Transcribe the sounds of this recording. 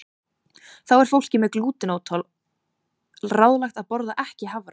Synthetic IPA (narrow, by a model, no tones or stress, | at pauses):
θawɛɾ̥fowl̥cɪmɛðkluːt̪ɪnoːwt̪ʰɔl | raːwðlajxt̪aðpɔɾðaʔɛhcɪɦavɾ